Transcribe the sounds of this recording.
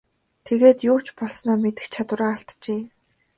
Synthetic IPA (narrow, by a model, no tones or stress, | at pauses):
t̪ʰeɣeːt̪jʊːt͡ɕpɔɮsnɔːmet̪ɘ̆xt͡ɕʰat̪wʊ̆raːɬt̪t͡ɕeː